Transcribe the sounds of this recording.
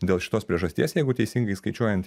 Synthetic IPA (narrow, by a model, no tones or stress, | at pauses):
d̪ʲeːlˠʃʲɪ̥t̪oːspʲɾʲiɛʒɐsʲt̪ʲḭːɛsjɛɪɡʊt̪ʲɛɪsʲɪŋɡɐɪskɐɪt͡ʃʲuɔjɛnt̪